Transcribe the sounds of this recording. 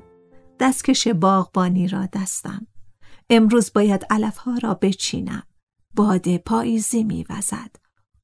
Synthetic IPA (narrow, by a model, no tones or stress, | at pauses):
d̪̥æst̪cʰe̞ʃe̞bɒːɣbɒːniːɾɒ̰ːd̪æst̪æ̰me̞mɾuːzbɒːjæd̪ælæfhɒːɾɒːbe̞t͡ʃʰḭːnæ̰m | bɒːd̪epʰɒːʔiːziːmḭːvæ̰z̥æd̪̥